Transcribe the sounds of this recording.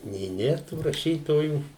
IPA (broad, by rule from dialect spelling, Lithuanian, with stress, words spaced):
nʲeː ˈnʲeːr tuː rɐˈʃʲiːtoːjuː